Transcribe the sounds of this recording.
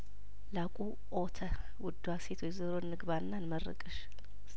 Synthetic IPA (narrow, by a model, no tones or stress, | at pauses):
lakʼu | ʔot̪ʰə | wʊd̪ːuaset̪ʰwojzɨɾonːɨɡβaɾɨnːanmərːɨ̰kʼɨʃ